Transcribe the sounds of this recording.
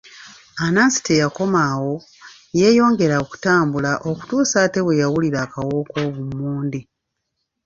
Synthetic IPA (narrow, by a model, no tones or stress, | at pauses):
anasi̥tejako̞maːwo̞ | je̞ːjo̞ːŋɡe̞ɾaoku̥taːmbulaʔo̞ku̥tuːsaːte̞βwe̞jawuliɾaːkawo̞ːko̞ːβumːuːndi